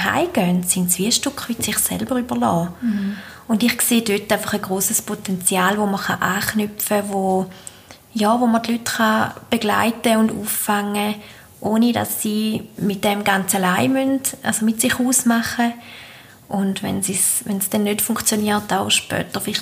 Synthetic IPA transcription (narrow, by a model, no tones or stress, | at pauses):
ɦa̰ɪɡ̥œntsɪntsviəʃtukχmɪtsiχsɛ̰lbəʁybəʁlɔː | ʊndiχkseːdøtːaɪfɑχəɡʁoːsəspʰotɛnt͡sjaːlvoməʁχaʔaːχnypfəvo | jɔːvoməʁdlytχab̥eɡ̥la̰ɪtəʊndṵːfaŋːə | ʔoːnida̰sːiːmɪt̚d̥ɛmɡant͡salaɪmyndʔasomɪtsiχuːsmaχə | ʔʊndvɛ̰nsisvɛnsd̥ɛnːøtfuŋkχt͡sjoniːtaʊʃpœ̰ːtəʁfɪliχ